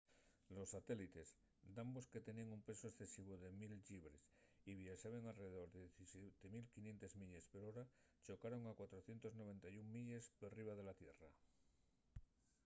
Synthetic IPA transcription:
lo̞sːat̪e̞lit̪e̞z | d̪amboske̞t̪e̞niaŋumpe̞soesθe̞siβ̞oðe̞milʎiβɾesiβjesaβe̞ŋalreðeðo̞ɾðeist̪emilkinje̞nt̪e̞zmiʎe̞speɾoɾat͡ʃo̞kaɾo̞ŋakwat̪ɾo̞θje̞nt̪o̞zno̞β̞e̞nt̪ajuŋmiʎe̞sporiβ̞aðe̞lat̪je̞ra

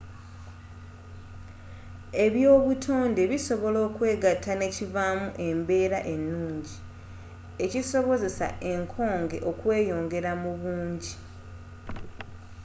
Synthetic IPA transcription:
e̞βjo̞ːβutʰo̞ːnde̞βiso̞βo̞lo̞ːkwe̞ːɡatːane̞civamuʔe̞mbe̞ːɾaʔe̞nːuːɲɟi | e̞ciso̞βo̞ze̞sa̰ʔe̞ŋkʰo̞ːŋɡe̞̰ʔo̞kwe̞ːjo̞ːŋɡe̞ɾamuβuːɲɟi

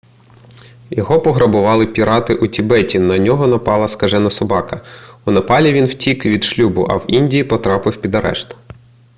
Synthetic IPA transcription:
jɔɦɔpɔɦɾɐbʊʋɑlˠɪpʲiɾɑt̪ɪʔʊtʲibɛtʲinɐnʲɔɦɔnɐpɑlˠɐskɐʒɛnɐsɔbɑkɐʊnɐpɑlʲiʋʲinwtʲikʋʲid̪ʃlʲubʊ̰ʔɐ̰winʲdʲijipɔt̪ɾɑpɪwpʲid̪ɐɾɛ̰ʃt̪ɔ̥

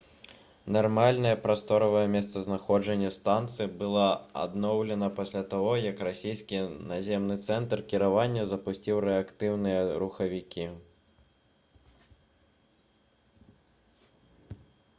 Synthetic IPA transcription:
narmalʲnɐjɛpɾast̪ɔɾɐvɐjɛmʲɛst̪sɐznaxɔd͡ʐɐnʲːɐst̪ant̪sɨjbɨlˠɔa̰d̪nɔwlʲɛnɐpasʲlʲat̪aɣɔjɐkrasʲijskʲinazʲɛmnɨt̪sɛnt̪rkʲiɾavanʲːɐzɐpusʲt͡sʲiwɾɛakt̪ɨwnɨjɐɾuxɐvʲikʲʰi

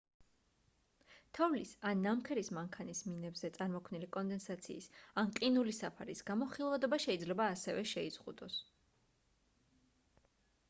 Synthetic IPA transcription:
t̪ʰɔvlisanːamkʰɛɾismaŋkʰanisminɛbzɛt̪sʼaɾmɔkʰmnilikʼɔnd̪ɛnsat̪sʰḭːsanqʼinulisapʰaɾisɡ̥amɔχilˠvad̪ɔbaʃɛid̪zlɛbaːsɛvɛʃɛiz̥ʁṵd̪ɔs

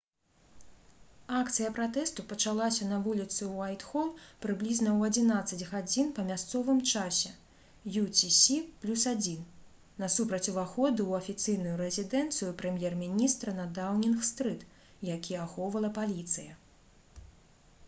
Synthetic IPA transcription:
akt̪sɨjɐpɾat̪ɛst̪upɐt͡ʃalˠasʲɐnɐvulʲit̪sɨuajt̪xɔlpɾɨblʲiznɐwɐd͡zʲinat̪sːɐd͡zʲɣad͡zʲinpɐmʲast̪sɔvɨmt͡ʂasʲɛ | jutʲisʲiplʲusad͡zʲin | nɐsupɾɐt͡sʲuvaxɔd̪ɨwɐfʲit̪sɨjnujuɾɛzʲid̪ɛnt̪sɨjupɾɛmʲjɛrmʲinʲist̪ɾɐnɐd̪awnʲinxst̪ɾɨt̪ | jakʲijɛaxɔwvɐlˠɐpalʲit̪sɨjɐ

